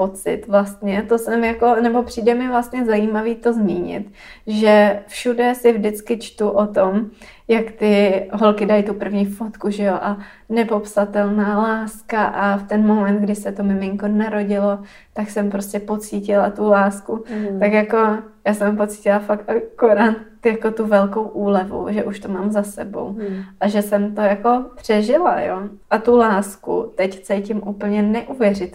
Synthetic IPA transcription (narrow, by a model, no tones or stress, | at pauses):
po̞t͡sɪ̰t̪vlast̪ɲɛt̪o̞sɛmjako̞nɛbo̞pr̝̥iːdɛmɪvlast̪ɲɛzajimaviːt̪o̞zmiːɲɪ̰t̪ | ʒɛfʃudɛsɪvdɪt͡skɪt͡ʃt̪uʔo̞t̪omjakt̪ɪɦo̞lkɪdajt̪upr̩vɲiːfo̞t̪kuʒɛjoʔa | nɛpo̞psat̪ɛlnaːlaːskaʔaft̪ɛnmo̞mɛnt̪d̪ɡdɪsɛt̪o̞mɪmɪŋko̞naɾo̞ɟɪlo̞ | t̪aksɛmpɾoscʲɛpo̞t͡siːcɪlat̪ulaːskut̪akjako̞jaːsɛmpo̞t͡si̥cɪlafak̚t̪ʔakoɾaːt̪̚ | jako̞t̪uvɛlko̞wʔuːlɛvṵʒɛʔuʃt̪omaːmzasɛbo̞̰wʔaʒɛsɛmt̪o̞jako̞pr̝̥ɛʒɪlajoʔat̪ulaːskṵt̪ɛct͡sɛjcɪmʔuːpl̩ɲɛnɛʔuvjɛrɪ